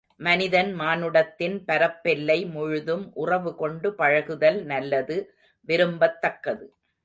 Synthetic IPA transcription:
mɐnɪðɐnmaːnɯɽɐt̪ːɪnpɐɾɐpːɛlːɐɪmʊɻʊðɯmʔʊrɐʋɯkɔɳɖɯpɐɻɐɣɯðɐlnɐlːɐðɯ | ʋɪɾɯmbɐt̪ːɐkːɐðɯ

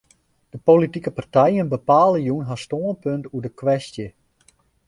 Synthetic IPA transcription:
d̥əpolitikəpartɛjənbəpaːlˠəjunɦastoənpøntuədəkʋɛstjə

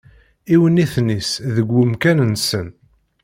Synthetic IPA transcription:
iwəniθnisðəɡʷːʊmkænənsən

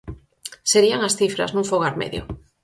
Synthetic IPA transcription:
seɾiaŋasθifɾa̰znũɱfoɣ̞aɾmḛðjo̰

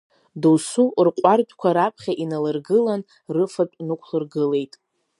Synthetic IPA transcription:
duwsurqʷʼardʷʼkʷʰaɾapʰχʲaʔinalɨrɡɨlan | rɨfapʼnɨkʷʰlɨrɡɨle̞jtʼ

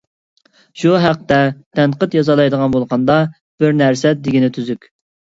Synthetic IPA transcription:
ʃuɦæq̚t̪ɛd̪̥ɛnqət̪jɑzɑlˠɑjd̪əʁɑnbolˠqɑnd̪ɑ | b̥ɪɾnæɾsɛd̪ɪɡʲinɪt̪ʰyzykʲ

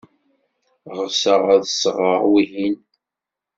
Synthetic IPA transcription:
ʁəsəʁaðəsʁəʁwihin

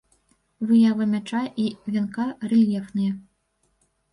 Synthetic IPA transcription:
vɨjavɐmʲat͡ʂaʔivʲɛnkarɛlʲɛfnɨjɛ

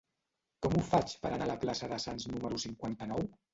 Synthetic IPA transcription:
kɔmufat͡ʃpəɾənaləplasəðəsanznuməɾusiŋkwant̪ənɔw

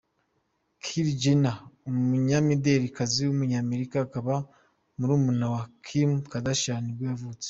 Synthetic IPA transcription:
kʰiɾd͡ʒinaumuɲamideɾikaziwumuɲaːme̞ɾikaːkaβa | muɾuːmunawakʰimkadaʃaniɡwejavuːt͡se̥

